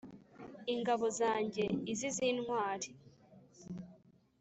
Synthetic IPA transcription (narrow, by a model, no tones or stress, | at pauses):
iŋɡaβo̞zaːɲɟe̞iziziːnŋwaːɾi